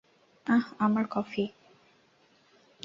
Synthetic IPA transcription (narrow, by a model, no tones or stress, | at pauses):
ahamaɾkɔfi